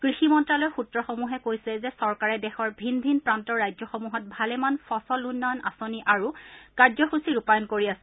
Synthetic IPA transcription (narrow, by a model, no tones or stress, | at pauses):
kɹiximɔntɹalojxutɹɔxomuɦɛkojsɛzɛsɔɹkaɹɛdɛxɔɹbʱinbʱinpɹantɔɹːajzɔxomuɦɔt̚bʱalɛmanfɔsɔlunːɔna̰soniʔaɹukaɹzɔxusiɹupajɔnkoɹiasɛ̥